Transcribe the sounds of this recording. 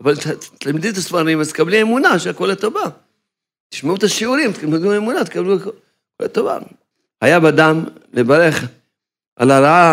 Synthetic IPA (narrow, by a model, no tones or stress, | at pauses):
avalttamd̪ut̪asfaɾimazt̪kabliemunaʃeakolet̪ova | t̪i̥ʃmeut̪aʃiuɾimt̪kamed̪uemunat̪e̥kabluko | kolḛt̪ova̰ | hajabad̪amlebaɾeχ | ʔa̰laɾaa